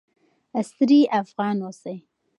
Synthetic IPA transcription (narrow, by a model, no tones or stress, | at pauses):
ast̪ɾiʔafɣɑnosaj